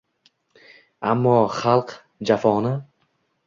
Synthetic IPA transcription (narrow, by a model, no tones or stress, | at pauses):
amːɒχalˠq | d͡ʒafɒnɪ